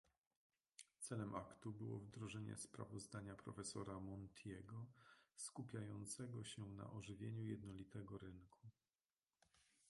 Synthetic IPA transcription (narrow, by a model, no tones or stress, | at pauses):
t̪sɛlɛmʔakt̪ubɘwɔ̰vd̪ɾɔʐɛɲɛ̰spɾa̰vɔzd̪aɲapɾɔ̰fɛsɔɾamɔnt̪ʰjɛɡɔskupʲjajɔnt̪sɛɡɔɕɛna̰ʔɔʐɘvʲjeɲujɛd̪nɔlʲit̪ɛɡɔɾɘŋkʰu